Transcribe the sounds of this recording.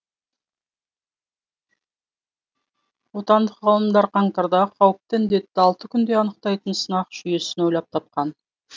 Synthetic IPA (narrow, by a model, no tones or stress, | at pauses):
wo̞t̪ɑnd̪əqʁɑlˠəmd̪ɑɾqʰɑɴt̪ɑɾd̪ɑqʰɑwəp̚t̪əɪnd̪e̞t̪ːɪɑlˠt̪əkʲʰʏnd̪e̞ɑnəq̚t̪ɑjt̪ənsənɑqʒ̥ʏje̞sɪno̞jlɑp̚t̪ʰɑp̚qɑn